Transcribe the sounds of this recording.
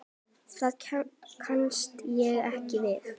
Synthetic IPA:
θaðkʰanst̪jɛɣɾɛhcɪvɪθ

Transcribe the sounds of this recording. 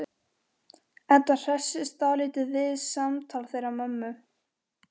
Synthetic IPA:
ɛnt̪ḁr̥ɛsːɪst̪aːlɪt̪ɪvɪðsamt̪ʰaːlθejɾamœmːʏ

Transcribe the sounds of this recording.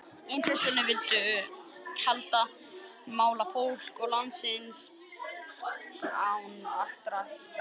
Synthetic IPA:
ɪnt̪ɾɛst̪ʏnɪvɪlt̪ʏ | hɛlt̪a | maːwlafowl̥kɔɣlant̪sɪns | awnaht̪ɾaɾ

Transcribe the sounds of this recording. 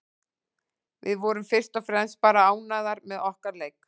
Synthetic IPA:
vɪ̰ðvɔɾʏmfɪr̥st̪ɔfɾɛnspaːɾaaːwnaðaɾmɛðɔhkaɾleːjk

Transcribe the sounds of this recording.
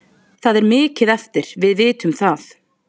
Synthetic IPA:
θaðɛɾmɪːcɪðɛft̪ɪɾ̥vɪðvɪːt̪ʏmθaθ

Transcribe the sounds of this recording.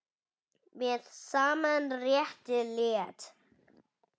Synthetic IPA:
mɛðsaːmanrjɛht̪ɪlɛːt̪

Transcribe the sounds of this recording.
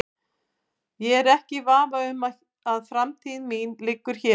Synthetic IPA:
jɛɛɾɛhcɪvaːvaʏma | aðfɾamt̪ʰiːðɪnmiːnlɪkːʏɾ̥çɛ

